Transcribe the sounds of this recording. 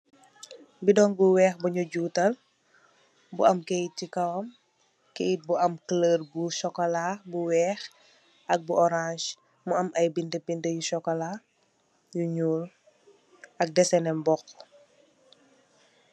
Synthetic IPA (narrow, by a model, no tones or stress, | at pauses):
bidɔŋbuwɛːxbuɲuɟuːtɐl | bṵʔɐmkejtikɐwɐm | kɛit̚buɐmkələːrbuʃɔkɔlabuwɛːx | ʔɐk̚buʔɔɾãʃ | muɐmʔɐjbintəbintəjuʃɔkɔla | juɲuːl | ɐk̚dɛsɛnɛmbɔx